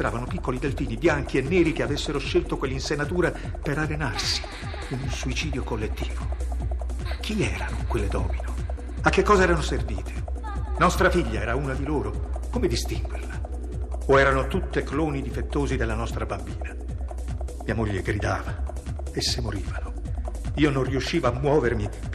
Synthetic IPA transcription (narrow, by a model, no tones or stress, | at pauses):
bɾaːvanopikːolid̪elfiːnibjaŋk̟ienːɛːɾikeavesːeɾoʃːelt̪okwelːeinsenːat̪uːɾa | peɾarenarsi̥ | inunsuit͡ʃiːd̪jokolːet̪ːi̥ːvo | k̟ʰiɛːɾanokwelːed̪ɔ̰ːmino | akːekːɔːzaɛːɾanoservḭːt̪ʰe̥ | nɔst̪ɾafiʎːaɛːɾauːnad̪iloːɾokoːmed̪ist̪iŋɡwḛrla | oɛːɾanot̪ut̪ːekloːnid̪ifet̪ːoːzid̪elːanɔst̪ɾabambiːna | miːamoʎːeɡɾid̪aːva | esːemoɾiːvano | iːononrːiuʃːiːvoamːwɔːvermi